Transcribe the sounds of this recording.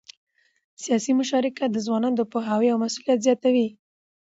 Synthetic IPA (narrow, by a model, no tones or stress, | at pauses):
sijɑsimʊʃɑɾɪkad̪əzwɑnɑnod̪əpoɦaweawmasulijat̪zjɑt̪awi